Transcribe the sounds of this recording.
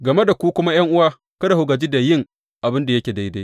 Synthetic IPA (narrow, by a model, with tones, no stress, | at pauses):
ɡɐ˨me˦da˨kʷu˦kʷʊ˦ma˦j̰ɐ˦ŋʔʊ˦waː˦ | kɐ˦da˨hʊ˨ɡa˨d͡ʒiː˦da˨jɪ˦˨ŋ | ʔa˨bɪ˦nda˨jɐ˦kʲeː˨da˦jda˦